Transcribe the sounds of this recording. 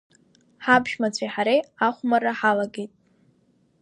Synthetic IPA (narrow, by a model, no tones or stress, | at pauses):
ħabʒᶣmat͡ɕʷʰajħaɾejaχʷmaraħalaɡejtʼ